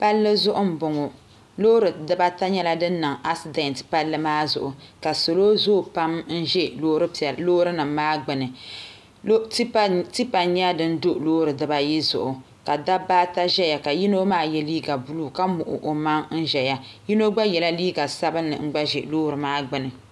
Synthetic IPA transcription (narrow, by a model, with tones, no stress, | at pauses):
pa˦lːɨ˦zʊ˦ʔʊ˦m̩˦˨bʊ˨ŋo˨ | loː˦ɾɨ˨dɨ˦ba˦ta˦ɲɛ˦la˦dɨ˦nː˦ɨ˨ŋa˦si˨de˦ntpa˦lːɨ˦maː˦zʊ̰˨ʔʊ˨ka˨so˨loː˦zoː˦˨pa˦mn̩˦ʒɛ˦ɾɨ˦˨loː˦ɾɨ˦nɨ˨mːaː˦ɡ͡bɨ˨nɨ˨˦ | ti˦pa˨ɲ˦a˦dɨ˦n̩˦do˦ʔloː˦ɾɨ˨dɨ˨ba˦ji˦zʊ̰˨ʔʊ˨ | ka˨da˦baː˦ta˦ʒɛ˦ja˨ka˨ji˦no˦maː˦jɛ˦liː˦ɡa˨bu˦lu˦˨ka˦mʊ˨ʔʊ̰˨ʔo˨ma˦ŋn̩˦ʒɛ˨ja˦ji˦no˦ɡ͡ba˦jɛ˨la˦liː˦ɡa˨sa˦bɨ˦nːɨ̰˨ŋ͡m̩˦ɡ͡ba˦ʒɛ˨loː˦ɾɨ˨maː˦ɡ͡bɨ˦nɨ˨